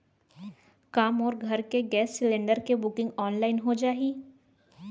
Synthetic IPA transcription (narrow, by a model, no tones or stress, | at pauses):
kaːmɔːɾɡʱɐɾkeɡɛːsːɪlẽːɳɖəɾkebʊkɪ̃ŋɡɔːnlaːɪnɦod͡ʒaːɦiː